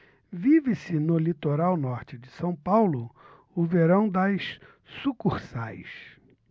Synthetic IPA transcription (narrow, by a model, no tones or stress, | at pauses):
vivɪsɪnʊlit̪oɾawnɔɾt͡ʃɪd͡ʒɪsɐ̃w̃pawlʊ | ʊveɾɐ̃w̃d̪ɐs | sukuɾsajs